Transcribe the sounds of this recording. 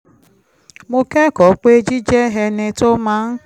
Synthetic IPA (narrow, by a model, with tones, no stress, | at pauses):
mo˧kɛ˦kɔ˨˦k͡pe˦e˦d͡ʒi˦d͡ʒɛ˦ɦɛ˧nẽ˧to˦mã˦n̩˦